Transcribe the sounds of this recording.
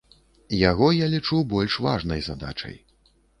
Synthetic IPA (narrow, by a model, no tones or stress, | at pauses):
jaɣɔjalʲit͡ʂubɔlʲʂva̰ʐnɐjzad̪a̰t͡ʂɐ̰j